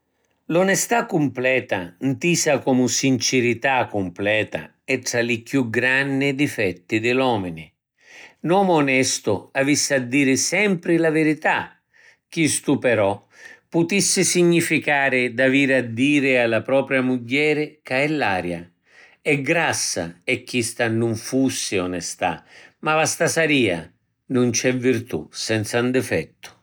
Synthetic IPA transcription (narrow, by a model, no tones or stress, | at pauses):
lɔnɛst̪akːʊmplɛːt̪a̰nt̪iːsakɔmʊsint͡ʃɪɾit̪akːʊmplɛːt̪a̰ | ɛt̪ːɾalɪkjuɡɾanːɪd̪ifɛt̪ːɪd̪ɪlɔːmɪnɪ | nwɔːmʊːnɛst̪ʊavisːad̪ːiːɾɪsɛmpɾɪlavɪɾit̪a | k̟ːist̪upɛɾɔ | pːʊt̪isːɪsiɲːifikaːɾɪd̪aviːɾɪad̪ːiːɾɪalːapɾɔːpɾjamuɟːɛːɾɪkaɛlːaːɾja | ɛɡɾasːa̰ɛkːist̪anʊɱfusːɪɔnɛst̪a̰mavast̪asaɾiːa̰ | nʊnt͡ʃɛvːirt̪ṵsɛnt̪sand̪ɪfɛ̰t̪ːʊ̥